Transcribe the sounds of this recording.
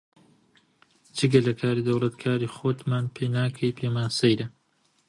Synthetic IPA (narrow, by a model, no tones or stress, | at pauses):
d͡ʒɨɡɐlɐkʰaːɾiːd̪ɐwlˠɐt̪kʰaːɾiːxot̪maːnpʰejnaːkʰɐjpʰemaːnsɐjɾɐ